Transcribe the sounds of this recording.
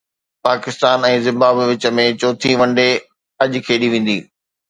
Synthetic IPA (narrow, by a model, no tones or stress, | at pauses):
paːkɪst̪aːnɛ̃ːzɪ̃mbaːbʋɪt͡ɕə̆mẽt͡ɕoːt̪ʰiʋɐ̃ɳɖe | ɐʄkʰeːɗiʋẽːn̆d̪ḭː